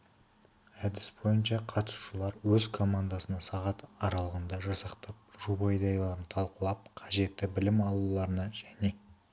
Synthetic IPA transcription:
æd̪ɪsbo̞jənʃɑqʰɑt̪ə̥su̥ʃəlˠɑɾwɵzkʰo̞mand̪asənɑsɑʁɑt̪ɑɾɑlˠəʁənd̪ɑʒɑsɑqt̪ɑp̚ʒubɑjd̪ɑjlˠɑɾənt̪ʰɑlˠqəlˠɑp̚qʰɑʒe̞t̪ːɪbɪlɪmɑlˠulˠɑɾənɑʒæne̞

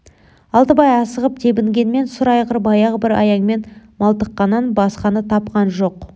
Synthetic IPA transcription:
ɑlˠt̪əbɑjɑsəʁəp̚t̪ʰe̞bɪŋɡʲe̞nme̞nsʊɾɑjqʰəɾbɑjɑʁbɪɾɑ̰jɑɴme̞nmɑlˠt̪əqːɑnːɑnbɑsqɑnət̪ʰɑpqɑnʒo̞q

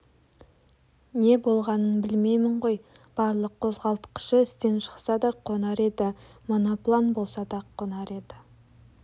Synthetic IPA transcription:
ne̞bo̞lˠʁɑnənbɪlme̞jmɪɴʁo̞j | b̥ɑɾlˠəqʰːo̞zʁɑlˠt̪ə̥qə̥ʃəɪst̪e̞nʃə̥qsɑd̪ɑqʰːo̞nɑɾe̞d̪ɪ | mo̞noplˠanbo̞lˠsɑd̪ɑqʰːonɑɾe̞d̪ɪ

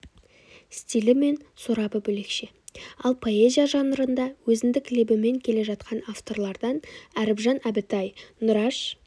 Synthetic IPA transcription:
st̪ʲijlɪme̞nsuɾɑbəbɵle̞kʃe | ɑlˠpʰo̞e̞zʲijaʒɑnəɾənd̪ɑwɵzɪnd̪ɪklebɪme̞ŋkʲʰe̞le̞ʒɑt̪̚qʰɑnaft̪o̞rlˠɑɾd̪ɑnæɾɪbʒɑnæbɪt̪ɑjnʊɾɑʃ

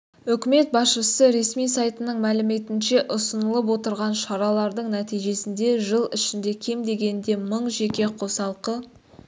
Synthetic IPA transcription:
ʏkʲɪme̞t̪̚bɑsʃəsəɾe̞smijsɑjt̪ənəɴmælɪme̞t̪ɪnʃe̞ʔʊsənəlˠəp̬wo̞t̪əɾʁɑnʃɑɾɑlˠɑɾd̪əɴnæt̪ijʒe̞sɪnd̪e̞ʒəlˠɪʃɪnd̪e̞kʲʰe̞md̪e̞ɡʲe̞nd̪e̞məɴʒe̞kʲe̞qʰo̞sɑlˠqə

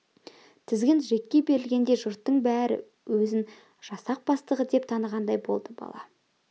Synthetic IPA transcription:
t̪ʰɪzɡʲɪnʒe̞kʲːe̞be̞ɾɪlɡʲe̞nd̪e̞ʒʊɾt̪ːəɴbæɾɪ̰ | wɵzɪn | ʒ̥ɑsɑq̚bɑst̪əʁəd̪e̞p̚t̪ʰɑnəʁɑnd̪ɑjbo̞̰lˠd̪əbɑ̰lˠɑ̰

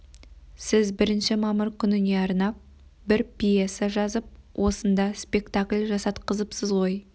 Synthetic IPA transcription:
sɪzbɪɾɪnʃɪmɑməɾkʲʰʏnɪne̞ɑɾnɑp̚ | bɪɾpʲijesaʒɑzəp̚wʔo̞sənd̪ɑspe̞kt̪aklʲʒɑsɑt̪qʰəzəpsəzʁo̞j

